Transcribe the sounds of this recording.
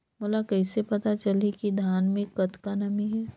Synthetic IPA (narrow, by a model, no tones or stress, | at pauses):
moːlakɛɪsepɐt̪at͡ʃɐlikid̪ʱaːnmẽkːɐt̪kanɐmiɦɛː